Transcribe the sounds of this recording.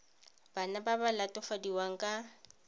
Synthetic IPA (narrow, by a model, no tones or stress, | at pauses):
b̥anababalatʼɔfadiwaŋ̩kʼa